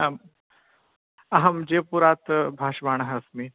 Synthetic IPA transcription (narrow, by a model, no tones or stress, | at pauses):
m | ɐɦɐmd͡ʑepuɾat̪bʱaːʂbaɳ̃əɦəsmi